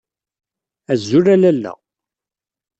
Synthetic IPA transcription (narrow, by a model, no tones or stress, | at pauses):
æzːuɾælælːæ̰